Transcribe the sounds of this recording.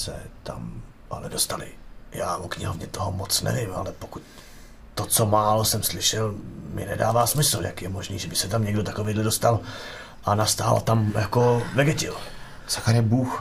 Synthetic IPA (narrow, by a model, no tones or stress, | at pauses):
sɛ̰t̪a̰m | ʔa̰lɛdo̞st̪alɪ̰jaːvokɲɪɦovɲɛt̪oɦomot͡snɛ̰vɪmʔa̰lɛpokuc | t̪ot͡somaːlosɛmslɪʃɛlmɪ̰nɛdaːvaːsmɪsl̩ja̰kjɛmo̞ʒnḭːʒɛbɪsɛt̪amɲɛɡdot̪akovejdlɛdost̪al | ʔanast̪aːl̰t̪amjako̞vɛɡɛcɪ̰l | saxaɾɛbuːx